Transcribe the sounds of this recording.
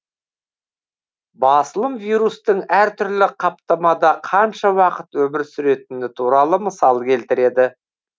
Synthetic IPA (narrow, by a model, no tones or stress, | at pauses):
bɑsəlˠəmvijɾust̪əɴæɾt̪ʰʏɾlɪqʰɑpt̪ɑmɑd̪ɑqʰɑnʃɑwɑqət̪wɵmɪɾsʏɾe̞t̪ɪnɪt̪ʰuɾɑlˠəməsɑlˠkʲʰe̞lt̪ɪɾe̞d̪ɪ